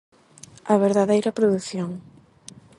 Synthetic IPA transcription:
ɐβeɾðaðejɾɐpɾoðuθjoŋ

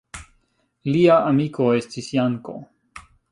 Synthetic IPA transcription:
liaamiko̞e̞stisjaŋko̞̰

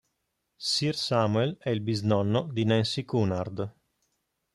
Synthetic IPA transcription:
sirsamuelɛilbiznɔnːod̪inɛnsikunard̪

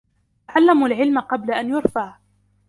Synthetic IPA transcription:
aʕalːamulʕɪlmaqɑblaʔanjʊɾˤfaʕ

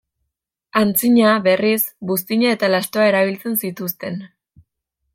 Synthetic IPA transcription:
ant͡siɲaβe̞ris | ɡust̪iɲae̞t̪alast̪oae̞ɾaβ̞ilt͡se̞nsit̪ust̪e̞n

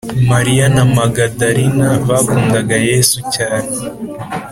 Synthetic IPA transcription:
maɾijanamaɡadaɾinaβakuːndaɡajesucaːne

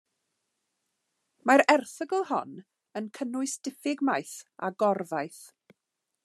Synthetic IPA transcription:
maɾɛrθəɡəlˠhɔ̰n | ənkʰənʊɨsd̥ɪfɪɡmajθa̰ɡɔrvajθ

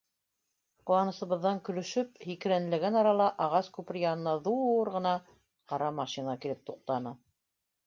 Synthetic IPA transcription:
qŏw̪ɑnɤ̆sɤ̆βɤ̆ðːɑŋkɵ̆lɵ̆ʃɵp̚hikɘ̆ɾænɘ̆lɘ̆ɡænɑɾɑlˠɑʔɑʁɑskʉpɘɾjɑnɤ̆nɑðuɾʁɤ̆nɑ | qɑɾɑmɑʃinɑkilɘp̚t̪uq̚t̪ɑnɤ

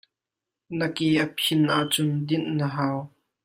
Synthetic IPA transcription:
nɐkiʔəpʰɪnʔaʔt͡sʊnd̪ɪnʔːəɦaːw

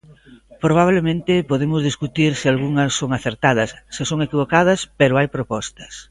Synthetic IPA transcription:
pɾoβ̞aβlemẽnt̪ɪpoðemʊzðiskut̪iɾsɪalɣuŋɐsːoŋaθeɾt̪aðɐsːɪsoŋekiβokað̞ɐspeɾʊajpɾopɔst̪ɐ̥s

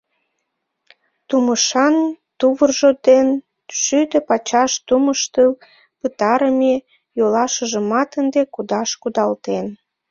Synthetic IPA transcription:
t̪uməʃɑnt̪uβərʒod̪en | ʃyd̪ø̆pɑt͡ɕɑʃt̪uməʃt̪əl | pɨt̪ɑɾəme | jolɑʃəʒə̆mɑt̪ənd̪ekud̪ɑʃkud̪ɑlt̪en

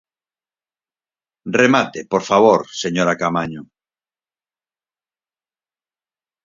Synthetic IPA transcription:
remat̪epoɾfaβ̞oɾseɲoɾakamaɲo

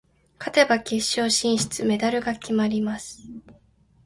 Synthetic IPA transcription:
kʰat̪e̞bakʲeɕːo̞ːɕĩɰ̃ɕi̥t͡sɨme̞d̪aɾɯ̟ɡakʲimaɾʲimasɨ̥

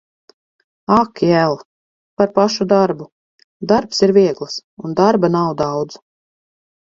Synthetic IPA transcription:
akiælˠ | paɾpaʃud̪aɾbu | d̪aɾpsiɾviɛɡlˠsund̪aɾbanawd̪awd̪z̥

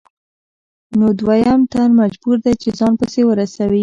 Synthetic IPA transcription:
nod̪wajamt̪anmad͡ʒbuɾd̪at͡ʃezɑnpəsewəɾasawi

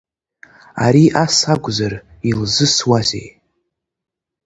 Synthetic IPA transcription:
aɾiʔasaɡʷʼzar | ilzɨswazḛj

